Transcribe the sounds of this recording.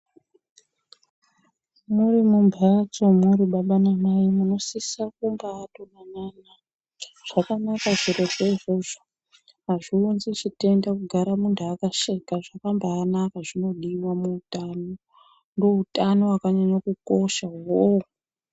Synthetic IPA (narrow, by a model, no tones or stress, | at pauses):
murimumbʱat͡so̞muɾiɓaɓanamaimuno̞sisakumbaːtonanana | ʐ̥akanakaʐiɾo̞ʐeiʐo̞ʐo | maʐiunzit͡ʃite̞ndakuɡʱaɾamuntʰuakaʃekaʐakambaːnakaʐino̞ɗiwamuːtano̞ | ndoutano̞wakaɲaɲakuko̞ʃaɦo